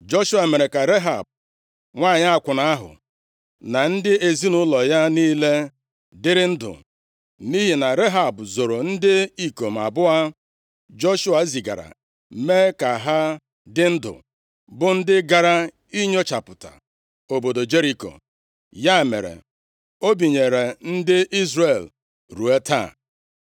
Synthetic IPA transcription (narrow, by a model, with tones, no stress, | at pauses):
d͡ʒo˦ʃu˦a˨me˨ɾe˨ka˨ɾe˦ɦa˨b̚ | ŋʷaː˦˨ɲɪ˦a˦˨kʷʊ˨na˦a˦ɦʊ̰˨ | na˨n̩˦dɪ˦e˨zi˦nʊ˦lɔ˨ja˦niː˦le˦ | dɪ˦ɾɪ˦n̩˦dʊ̰˨ | ni˦ɦi˨na˨ɾe˦ɦa˨bʊ˨zo˨ɾo˨n̩˦dɪ˦i˦ko˨m̩˨a̰˨bʊ˦a˦ | d͡ʒo˦ʃʊ˦a˨˦zi˨ɡa̰˨ɾa̰˨ | me˦ka˨ɦa˦ | dɪ˦n̩˦dʊ̰˨ | bʊ˦n̩˦dɪ˦ɡa˨ɾa˦ | i˦ɲo˦t͡ʃa˨pʊ˨ta̰˨ | o˨bo˨do˨d͡ʒe˦ɾi˨ko̰˨ | ja˦˨mḛ˨ɾḛ˨ | o˦bi˨ɲe˨ɾe˨n̩˦dɪ˦ʔi˦zre˨l | ɾu˨e˦ta̰˦˨